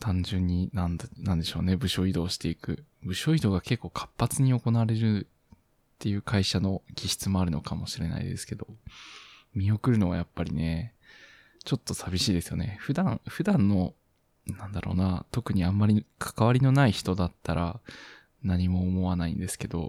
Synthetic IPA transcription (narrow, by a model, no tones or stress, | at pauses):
t̪ʰãɲ̟d͡ʑɨ̃ɲ̟ːinãnnãnd̪eɕo̞ːne̞bɯ̟ɕo̞id̪o̞ːɕi̥t̪e̞ikɯ̟bɯ̟ɕo̞id̪o̞ːɡake̞kːo̞ːkʰḁpːat͡sɨɲ̟io̞ko̞naβɾe̞ɾɯ̟ | t̪ːe̞jɯ̟ːkʰaiɕano̞kʲiɕi̥t͡sɨmo̞aɾɯ̟no̞̰kʰamo̞ɕiɾe̞na̰ḭd̪e̞sɨ̥ke̞d̪o̞̰ | mʲio̞kɯ̟ɾɯ̟no̞βa̰japːaɾʲḭne̞ | t͡ɕo̞t̪ːo̞sabʲiɕiːd̪e̞sɨjo̞̰ne̞̰ɸɯ̟d̪ãŋ̃ɸɯ̟d̪ãnːo̞ | nãnd̪aɾo̰ːnat̪o̞kɯ̟ɲ̟iãmːaɾʲikʰḁkaβaɾʲino̞naiçi̥t̪o̞d̪at̪ːaɾʔa̰ | naɲ̟imo̞ːmo̞βanaḭ̃nd̪e̞sɨ̥ke̞d̪o̞̰